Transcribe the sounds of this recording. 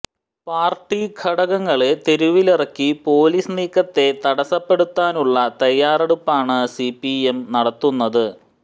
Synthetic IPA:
paːrʈːikʰɐɽɐɣɐŋːɐɭet̪e̞ɾuʋilirɐkːipo̞ːlisniːkːɐt̪ːe̞t̪ɐɽɐsɐpːe̞ɽut̪ːaːnuɭːɐt̪ɐjːaːreɽupːaːɳɨsipːiemnɐɽɐt̪ːunːɐðɨ

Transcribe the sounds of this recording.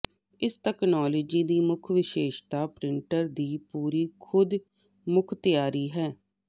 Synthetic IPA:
ɪsʈɛːknaːloːd͡ʒiːd̪iːmʊkʰʋɪʃeːʃt̪aːpɾɪɳʈəɾd̪iːpuːɾiːkʰʊd̪ | mʊkʰt̪ɪjaːɾiːɦɛː

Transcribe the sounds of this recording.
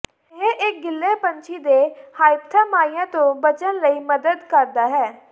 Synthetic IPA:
ɦẽʔɪk̚ɡɪlːeːpəɲt͡ʃʰiːd̪eːhaːɪpt̪ʰaːmaːijãːt̪õːbət͡ʃənləiːməd̪əd̪kəɾd̪aːɦɛː

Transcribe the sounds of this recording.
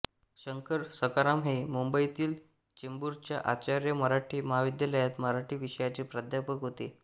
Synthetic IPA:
ɕəŋkəɾsəkaɾamɦemumbəit̪iːl | t͡ɕimbuɾt͡ɕjaʔat͡ɕaɾjəməɾaʈʰiːməɦaʋid̪jaləjat̪məɾaʈʰiːʋiɕəjat͡ɕepɾad̪ʱjapəkɦot̪e

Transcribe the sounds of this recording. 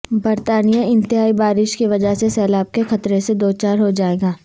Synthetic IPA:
bɐɾt̪aːnijaɪ̃nt̪ɪɦaːibaːɾɪʃkiʋɐd͡ʒaɦsesɛːlaːb̚kexɐt̪ɾesed̪oːt͡ʃaːɾɦod͡ʒaːeːɡaː

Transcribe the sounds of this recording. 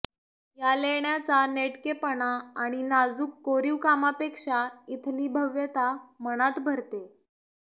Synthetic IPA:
jaleɳjat͡saneʈkepəɳaːɽ̃inad͡zuːkːoɾiʋkamapekʂait̪ʰliːbʱəʋjət̪aməɽ̃at̪bʱəɾt̪e

